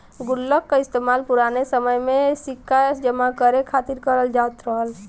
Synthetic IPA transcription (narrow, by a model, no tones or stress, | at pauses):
ɡʊlːəkːaɪst̪eːmaːlpʊɾaːnesəməjmẽsɪkːaəsd͡ʒəmakəɾekʰaːt̪iɾkəɾəld͡ʒaːt̪ɾɔːz